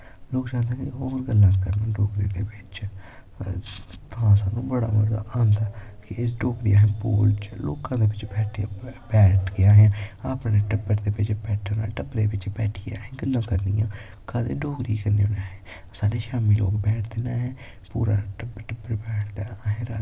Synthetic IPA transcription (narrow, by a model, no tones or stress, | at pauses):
loːkt͡ʃãːnd̪eːɦɛ̃koːɾɡəlːãːkəɾnãːɖoːkɾiːd̪eːʋɪt͡ʃ | t̪ãːsaːnũːbəɽa̰ːməɾɡa̰ːʔaːnd̪aːkɪɪs̬ɖoːkɾiːãɦɛ̃ːpo̰ːlt͡ʃlo̰ːkãːd̪eːʋɪt͡ʃbɛːʈʰːbɛːʈʰɡɪjãːɦjãːaːpɳeːʈəpbəɾd̪eːbɪt͡ʃbɛːʈʰəna̰ːʈəbɾeːʋɪt͡ʃbɛːʈʰɪja̰ːɦɛ̃ːɡəlːãːkəɾnijãː | kʰaːd̪ḛːɖoːkɾiːkəɾneːoːnaːɦɛː | saːneːʃaːmiːlo̰ːkbɛːʈʰd̪eːnaːɦɛː | puːɾa̰ːʈəbʈəbːəɾbɛːʈʰd̪aːɦẽːɾaː